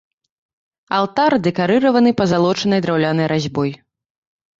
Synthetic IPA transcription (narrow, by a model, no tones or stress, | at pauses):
alˠt̪ard̪ɛkaɾɨɾɐvɐnɨpɐzalˠɔt͡ʂɐnɐjd̪ɾawlʲanɐjɾʔazʲbɔj